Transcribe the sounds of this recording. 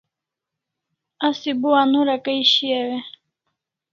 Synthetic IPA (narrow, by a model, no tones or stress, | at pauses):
asibuanuɾakaiʃiɛwɛ